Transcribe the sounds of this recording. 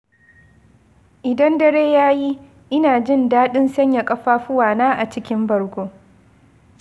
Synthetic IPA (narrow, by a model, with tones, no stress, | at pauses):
ʔɪ˨dɐ˦ndɐ˦ɽeː˦jaː˦ji˦ | ʔɪ˦naː˨d͡ʒɪ˦ndaː˦ɗɪ˦nsɐ˦ɲja˨kʼɐ˦ɸaː˦ɸʊ˦waː˨naː˦ʔa˨t͡ʃɪ˦kʲɪ˦mbɐ˨ɽɡʷoː˦